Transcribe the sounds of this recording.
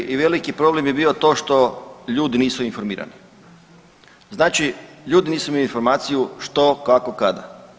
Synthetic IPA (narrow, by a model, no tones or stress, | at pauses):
ʔiʋe̞likipɾo̞ble̞mje̞biːo̞t̪o̞ːʃt̪o̞ʎuːd̪iniːsuinfo̞ɾmiːɾa̰ni | znaːt͡ʃiʎuːd̪iniːsuimelinfo̞ɾmaːt̪sijuʃt̪o̞kakokad̪a̰